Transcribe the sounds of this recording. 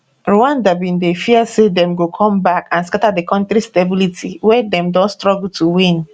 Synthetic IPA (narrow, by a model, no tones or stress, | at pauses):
ɹuãndabĩndefiɛsedɛ̃mɡokʰɔ̃mbakãnskatadekɔ̃ntɾistebilitʰiwɛdɛ̃mdɔ̃ntstɹɔɡultuwĩn